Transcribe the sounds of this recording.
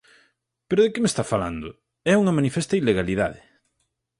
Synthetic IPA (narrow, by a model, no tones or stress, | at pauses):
peɾoðekɪmest̪afala̰nd̪ʊ | ɛuŋɐmanifɛst̪ɐileɣaliða̰ðɪ